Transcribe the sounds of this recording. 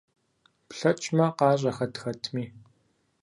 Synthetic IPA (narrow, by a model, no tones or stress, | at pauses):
pɬɐt͡ʃʼmɐqɑːʑ̬ʼɐxɐtxɐtʰmiː